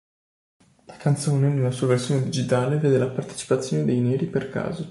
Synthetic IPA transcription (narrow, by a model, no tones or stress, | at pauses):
lakant̪soːnenelːasuːaversjoːned̪id͡ʒit̪aːleveːd̪elapart̪e̥t͡ʃi̥pat̪sːjoːned̪ejnɛːɾiperka̰ːzo